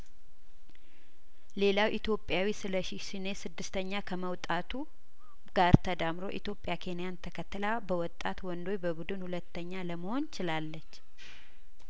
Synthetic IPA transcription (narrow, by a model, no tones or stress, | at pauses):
le̞lawʔit̪ʰjo̞pʼːjawisɨləʃisine̞sɨd̪ːɨst̪ʰəɲːakʰəməwt̪ʼat̪ʰu | ɡ̥aɾt̪ʰəd̪amɾo̞̰ʔit̪jo̞pʼːjakʰe̞nijant̪ʰəkʰət̪ːɨlabəwɔt̪ʼːat̪wɔnd̪o̞jbəbud̪ɨnhulət̪ːəɲːaləməho̞nt͡ʃɪlalːət͡ʃː